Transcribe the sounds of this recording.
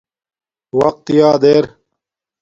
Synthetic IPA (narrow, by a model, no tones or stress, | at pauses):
wɐq̚t̪ijaːd̪eːɾ